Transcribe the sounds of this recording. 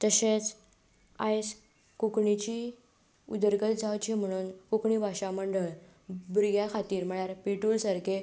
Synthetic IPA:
t̪əɕet͡s | ajs | kukɳit͡ɕiː | ud̪əɾɡət̪d͡zawt͡ɕim̤əɽ̃uːnkukɳibʱaɕaməɳɖəɭ | bɾɡjakʰat̪iːɾm̤əɭ̃jaɾpeʈuːlsaɾkʰe

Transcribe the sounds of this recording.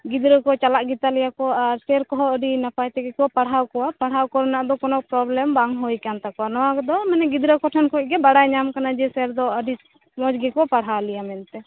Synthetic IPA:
ɡid̪ɾəkɔt͡ʃalaʔɡit̪alɛjakɔaɾsɛɾkɔɦɔəɖinapajt̪ɛɡɛkɔwapaɽɦawkɔwapaɽɦawkɔɾnaʔd̪ɔkɔnɔʔ̚pɾɔblɛmbaŋɦɔjkant̪akɔanɔwakɔd̪ɔmanɛɡid̪ɾəkɔʈʰɔnkʰɔc̚ɡɛbaɽajɲamkanad͡ʒɛsɛɾd̪ɔəɖi | mɔd͡ʒɡɛkɔwapaɽɦawlɛjamɛnt̪ɛ

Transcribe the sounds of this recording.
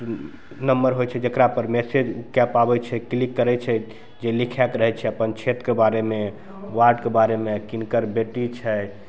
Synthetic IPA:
nəmbəɾɦojt͡ʃʰɛd͡ʒekɾapəɾmesed͡ʒkɛpabɛt͡ʃʰɛklikːəɾɛt͡ʃʰɛ | d͡ʒelikʰɛkɾəɦɛt͡ʃʰɛəpənt͡ʃʰet̪kebaɾeme | waɾɖkebaɾemekinkəɾbeʈit͡ʃʰɛ

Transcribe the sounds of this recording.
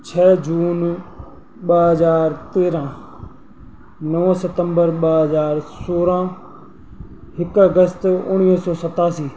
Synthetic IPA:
t͡ʃʰɛːd͡ʒuːn | ɓəɦəzaːɾt̪eːɾãː | nəʋə̃ːsət̪əmbəɾɓəɦəzaːɾsoːɾãː | ɦɪkəɡəst̪ʊɳ̃iːsɔːsət̪aːsiː

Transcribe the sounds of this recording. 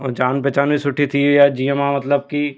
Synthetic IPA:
d͡ʒaːnpɛːt͡ʃaːnbʱisʊʈʰːit̪ʰijad͡ʒiəmamɐt̪ləb̚ki

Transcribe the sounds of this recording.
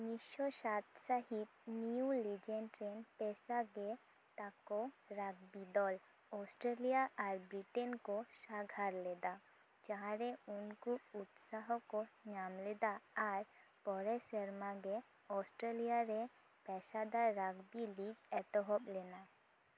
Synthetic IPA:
miʃɔʃat̪ʃaɦit̪̚niulid͡ʒɛɳʈɾɛnpɛsaɡɛ | t̪akɔɾaɡ̚bid̪ɔl | ɔsʈɾelijaʔaɾbɾiʈenkɔʃaɡʱaɾlɛd̪a | t͡ʃaɦɾɛunkuut̪saɦɔkɔɲamlɛd̪aːɾpɔɾɛsəɾmaɡɛ | ɔsʈɾelijaɾɛ | pɛsad̪aɾaɡbiliɡɛt̪ɔɦɔplɛna

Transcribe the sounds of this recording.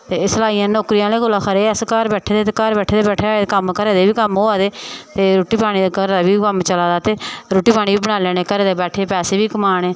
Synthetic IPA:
t̪eːsəlaːiːãːnoːkɾijãːleːɡolaːkʰəɾeːəskəɾbɛːʈʰeːd̪eːt̪eːkəɾbɛːʈʰeːd̪eːbɛːʈʰeːekəmkəɾeːd̪eːbiːkəmɦoːaːd̪eːt̪eːɾoːʈiːpaːɽ̃iːd̪ekəɾd̪aːbiːkəmt͡ʃəlaːd̪aːt̪eːɾoːʈiːpʰaːɽ̃iːbiːbəɽ̃aːleːneːkəɾeːd̪eːbɛːʈʰeːpɛːseːbiːkəmaːɽeː

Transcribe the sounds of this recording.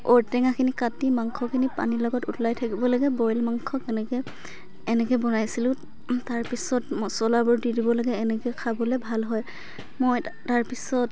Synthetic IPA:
ɔɹtɛŋakʰinikatimaŋkʰɔkʰinipa̰nilɔɡɔtutlajtʰakibɔlaɡɛbɔjlmaŋkʰɔkɛnɛkɛː | nɛkɛbɔnajsilʊ̃ | taɹpisɔtsɔlabɔɹdidibɔlaɡɛːnɛkɛkʰabɔlɛbʱalɦɔj | mɔjtaɹpisɔt

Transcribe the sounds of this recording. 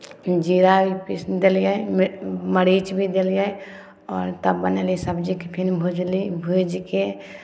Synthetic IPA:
d͡ʒiːɾabipɪsd̪eljamməɽiːt͡ʃbʱid̪eljae | ɔːɾt̪əbːənelisəbd͡ʒikepʰɪnbʱod͡ʒlibʱujd͡ʒike

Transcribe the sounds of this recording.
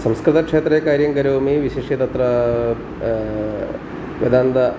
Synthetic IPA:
sɐmskɾɨt̪ɐkʂeːt̪ɾeːkaːɾjɐŋɡɐɾoːmiʋiʃeːʂit̪ɐt̪ɾɐ | ʋjɐ̰d̪ʱaːnd̪ɐ

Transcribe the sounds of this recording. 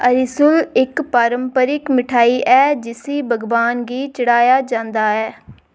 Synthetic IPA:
əɾɪsʊlɪkpaːɾəmpəɾɪkmɪʈʰaːiːʔɛːd͡ʒɪsiːbəɡʋaːnɡiːt͡ʃəɽaːjaːd͡ʒãːnd̪aːɛː

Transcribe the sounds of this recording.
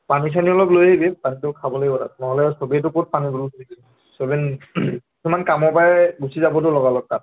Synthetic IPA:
panis̬aniɔlɔplojɦebɛpanitʊkʰabɔlojɔta̰tnɔɦɔlɛsobiɛt̬ʊkot̚panibulsuliki | sobɛnkisumankamɔɹpaɛɡusizabɔtʊlɔɡalɔk̚kat̚

